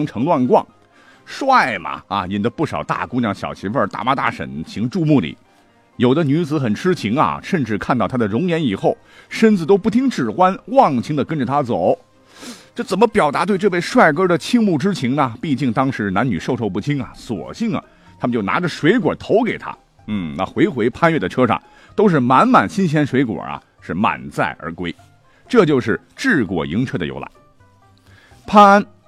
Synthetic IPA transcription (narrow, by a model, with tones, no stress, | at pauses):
ŋʈ͡ʂʰɤ˧˥ŋlwa˥˧nkwɑ̰˥˩ŋ | ʂwa˥˩ɪmɐ̰˨˩ɐ̰˧i˨˩nd̪ə˦pu˥˩ʂɑ̰˨˩ʊt̪a̰˥˩ku˥ŋnjɑ˧˩ŋɕjɑ̰˨˩ʊt͡ɕʰi˧˥fə˞˥˧t̪a̰˥˩ma˥t̪a̰˥˩ʂə̰˨˩nt͡ɕʰi˧˥ŋʈ͡ʂu˥˧mu˥˩lḭ˨˩˦ | jo˨˩ʊd̪ə˦ny˧˥t͡sɹ̩˧˥xə˨˩nʈ͡ʂʰɻ̩˥t͡ɕʰi˧˥ŋɐ̰˨ʂə˥˧nʈ͡ʂɻ̩˥˧kʰa˥˧nt̪ɑ˥˩ʊt̪ʰa˥d̪ə˩ɻʊ˧˥ŋjɛ˧˥ni˨˩xo˥˩ʊ | ʂə˥nt͡sɹ̩˩t̪̬o˥ʊpu˥˩t̪ʰi˥ŋʈ͡ʂɻ̩˥˩xwa˥nwɑ˥˩ŋt͡ɕʰi˥ŋd̪ə˨kə˥nʈ͡ʂə˨˩t̪ʰa˥t͡so˨˩˦ʊ | ʈ͡ʂɤ˥˩t͡sə˨˩nmə˦pjɑ˨˩ʊt̪a˧˥t̪we˥˧ɪʈ͡ʂɤ˥˧we˥˧ɪʂwa˥˩ɪkɤ˥d̪ə˨t͡ɕʰi˥ŋmu˥˩ʈ͡ʂɻ̩˥t͡ɕʰi˧˥ŋnɐ˨pi˥˧t͡ɕi˥˩ŋt̪ɑ˥ŋʂɻ̩˧˥na˧˥ny˨˩ʂo˥˧ʊʈ͡ʂʰo˥˧ʊp̬u˥˩t͡ɕʰi˥ŋɐ̰˨swɔ̰˨˩ɕi˥˩ŋɐ̰˩ | t̪ʰa˥mə˨t͡ɕo˥˩ʊna̰˧˥ʈ͡ʂə˧ʂwe˧˥ɪkwɔ̰˨˩t̪ʰo˧˥ʊke˨˩ɪt̪ʰa̰˥ | n̩˥˩na̰˥˩xwe˧˥ɪxwe˧˥ɪpʰa˥nɥɛ˥˩d̪ə˩ʈ͡ʂʰɤ˥ʂɑ̰˥˩ŋ | t̪o˥ʊʂ̬ɻ̩˥˩ma˧˥nma˨˩nɕi˥nɕ̬jɛ˥nʂwe˧˥ɪkwɔ̰˨˩ɐ̰˧ | ʂɻ̩˥˩ma̰˨˩nt͡sa˥˩ɪʔə̰˞˧˥kwe˥ɪ | ʈ͡ʂɤ˥˧t͡ɕjo˥˧ʊʂɻ̩˥˩ | ʈ͡ʂɻ̩˥˩kwɔ̰˨˩ḭ˧˥ŋt͡ɕʰɥɛ˥˩d̪ə̰˨jo̰˧˥ʊla̰˧˥ɪ | pʰa˥n